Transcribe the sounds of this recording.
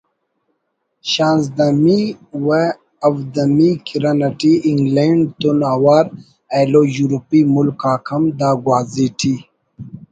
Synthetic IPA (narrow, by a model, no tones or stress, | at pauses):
ɕaːnz̬d̪amiwe | ɐwd̪ɐmikʰiɾɐnɐʈiiŋɡleɳɖ̚t̪unaːwaːɾ | elojuɾupimulkaːkʰɐmd̪aːɡwaːziʈʰi